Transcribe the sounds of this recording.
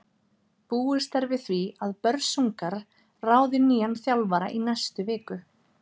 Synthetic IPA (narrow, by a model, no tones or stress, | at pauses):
puːʏ̥st̪ɛɾvɪθviaðpœɾsuŋkaɾ | raːwðɪniːanθjawlvaɾa̰ʔinajst̪ʏvɪːkʏ